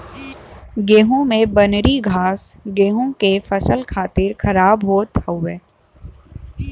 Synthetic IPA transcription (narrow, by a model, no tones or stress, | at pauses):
ɡeːɦũmẽbɐnɾiɡʱaːsɡeːɦõkefɐsəlkʰaːt̪ɪɾxɐɾaːbɦoːt̪əʊeː